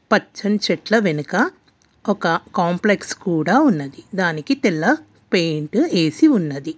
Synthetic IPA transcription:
pɐt͡ʃːɐnt͡ʃɛʈlɐʋenukɐ | ɔkɐkaːmplekskuːɽaːunːɐd̪id̪aːnikit̪ɛlːɐ | pe̞jɳʈe̞ːsiunːɐd̪i

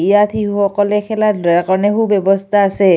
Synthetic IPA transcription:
ijat̪ʰihuhɔkɔlɛkʰɛladakɔnɛɦubɛbɔst̪ʰaːsɛ

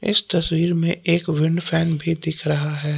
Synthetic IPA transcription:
ɪ̰st̪ɐswiːɾmẽʔeːkʋɪ̃ɳɖpʰɛːnbʱid̪ɪkʰɾɐɦaɦɛː

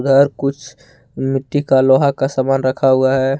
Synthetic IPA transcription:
d̪ʱəɾkʊt͡ʃʰ | mɪʈ̪ːikaloɦakasamaːnɾəkʰaoɡaɦɛ

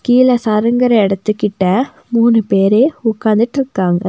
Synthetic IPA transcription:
kiːlɐsɐɾɐŋɡɐɾɐɛɽɐt̪ːɯkːɪʈːɐ | muːnɯpeːɾeːʊkːaːnd̪ɪʈːɪɾɯkːaːŋɡɐ

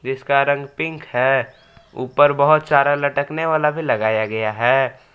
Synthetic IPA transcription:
d͡ʒɪskaɾə̃ŋɡpɪ̃ŋkhɛ | ṵːpəɾbəɦʊt̪saːɾalɐʈəkneʋaːlabʱilɐɡaːjaɡɐjaɦɛː

